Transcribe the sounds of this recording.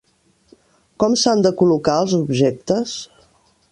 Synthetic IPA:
kɔmsand̪əkulukaəlˠzubʒɛk̚t̪əs

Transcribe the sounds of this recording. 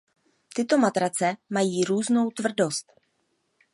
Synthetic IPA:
t̪ɪt̪o̞mat̪ɾat͡sɛmajiːɾuːzno̞wt̪vr̩do̞st̪

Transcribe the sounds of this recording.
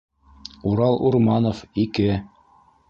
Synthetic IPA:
uɾɑlˠuɾmɑnofikɘ

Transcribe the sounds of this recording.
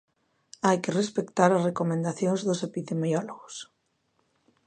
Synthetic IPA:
ajkɪrespekt̪aɾɐsrekomẽnd̪aθjõŋzðosepiðemiɔloɣʊs

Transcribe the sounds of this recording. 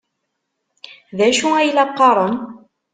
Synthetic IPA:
ðæʃuæjlæqːɑɾˤən

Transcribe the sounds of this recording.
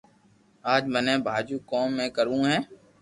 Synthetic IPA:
aːd͡ʒmənɛ̃ːbʱaːd͡ʒuːkoːmːẽːkəɾũːɦɛ̃ː

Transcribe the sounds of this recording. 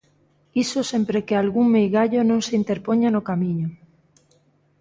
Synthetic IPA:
isosempɾekealɣuŋmejɣaʎonõŋseint̪eɾpoɲanokamĩɲo

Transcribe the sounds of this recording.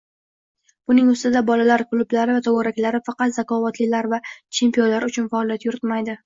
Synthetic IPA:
b̥ʊnɪŋʊst̪ɪd̪abɒlalaɾkʰlˠʊblaɾɪvat̪ʰowɒɾakʲlaɾɪfɑqɑt̪zakɒvat̪lɪlaɾvat͡ʃʰe̞mpijonlaɾʊt͡ʃʰʊnfaɒlijat̪jʊɾɪt̪majd̪ɪ

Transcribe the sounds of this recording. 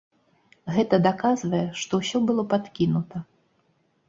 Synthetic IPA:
ɣɛt̪ɐd̪akazvɐjɛʂt̪ɔwsʲɔbɨlˠɔpat̪kʲinut̪ɐ

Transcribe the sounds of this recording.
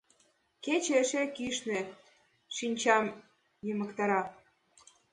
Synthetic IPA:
ket͡ɕeəʃekiʃnĕ | ʃinʲt͡ɕɑm | jemə̆kt̪ɑɾɑ

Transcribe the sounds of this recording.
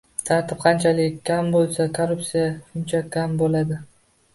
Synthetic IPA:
t̪ʰaɾt̪ʰɪp̚qʰɑnt͡ʃʰalɪkʲʰːambolˠsakʰoɾʊptsijaʃʊnt͡ʃʰakʲʰːambolad̪ɪ

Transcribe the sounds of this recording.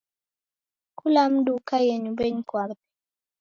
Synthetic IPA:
kulamdukajeɲubeɲkwakt̪i̥

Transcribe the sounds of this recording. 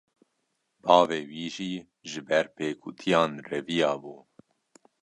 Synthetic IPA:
bɑːveːwiːʒiː | ʒɨbɛɾpʰeːkʰut̪ʰijɑːnrɛvijɑːbuː

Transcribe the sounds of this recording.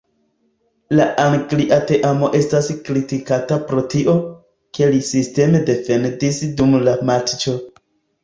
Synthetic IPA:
laʔaŋɡliʔate̞ʔamo̞ʔe̞staskɾitikatapɾo̞tiʔo | ke̞lisiste̞me̞de̞fe̞ndisdumlamatt͡ʃo̞

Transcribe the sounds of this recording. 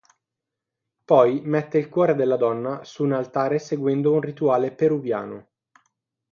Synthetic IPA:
pɔjmɛt̪ːeilkwɔːɾed̪elːad̪ɔnːasuːnalt̪aːɾeseɡwɛnd̪ounrit̪uaːlepeɾuvja̰ːno

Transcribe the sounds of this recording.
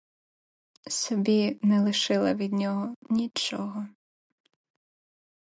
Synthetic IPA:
sɔbʲinɛlˠɪʃɪlˠɐʋʲid̪̚nʲɔɦɔnʲit͡ʃɔɦɔ

